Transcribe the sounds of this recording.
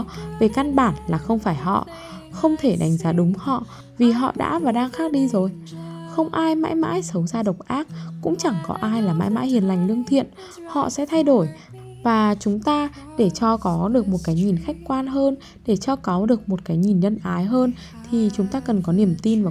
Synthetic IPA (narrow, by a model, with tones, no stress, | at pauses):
ve˨˩ka˧nɓaː˧˩nlaː˨˩xə˧wŋ͡mfaː˧˩jɦɔ̰˧˨ | xə˧wŋ͡mt̪ʰe˧˩ɗa˨˦jŋ̟zaː˨˦ɗʊ˨˦ŋ͡mhɔ̰˧˨ | vi˨˩ɦɔ̰˧˨ɗa̰ː˧˥vaː˨˩ɗaː˧ŋxaː˦˥k̚ɗi˧zo˨˩j | xə˧wŋ͡mʔaː˧jma̰ː˧˥jma̰ː˧˥jsə˨˦wzaː˧ɗə˨˩wk͡p̚ʔaː˦˥k̚kʊ̰˧˥ŋ͡mt͡ɕa˧˩ŋkɔ̰˨˦ʔaː˧jlaː˨˩ma̰ː˧˥jma̰ː˧˥jhi˨˩ənla˨˩jŋ̟lɨ˧əŋt̪ʰḭ˧˨ən | hɔ̰˧˨sɛ̰˧˥t̪ʰa˧jɗo˧˩j | vaː˨˩t͡ɕʊ˨˦ŋ͡mt̪aː˧ | ɗe˧˩t͡ɕɔ˧kɔ˨˦ɗɨ˨˩ək̚mo˨˩t̚kaː˨˦jŋɲi˨˩nxa˦˥jk̟̚kwaː˧nɦəː˧n | ɗe˧˩t͡ɕɔ˧kɔ˨˦ɗɨ˨˩ək̚mo˨˩t̚kaː˨˦jɲi˨˩nɲə˧nʔaː˨˦jɦəː˧n | t̪ʰi˨˩t͡ɕʊ˨˦ŋ͡mt̪aː˧kə˨˩nkɔ˨˦ni˧˩əmt̪i˧nvaː˨˩